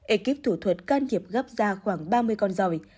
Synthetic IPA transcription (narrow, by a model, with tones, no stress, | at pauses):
ʔe˧ki˦˥p̚t̪ʰu˧˩t̪ʰwə˨˩t̚kaː˧nt̪ʰi˨˩əp̚ɣa˦˥p̚zaː˧xwaː˧˩ŋɓaː˧mɨ˧əjkɔ˧nzɔ˧˩j